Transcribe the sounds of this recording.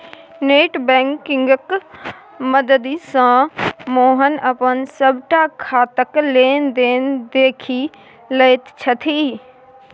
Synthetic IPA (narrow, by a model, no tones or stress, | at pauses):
neːʈbɛ̃ːŋkɪ̃ŋɡk | məd̪əd̪isãmoːɦənəpənsəbʱʈakʰaːt̪əkleːnd̪eːnd̪eːkʰi | ləjt̪t͡ʃʰət̪ʰiː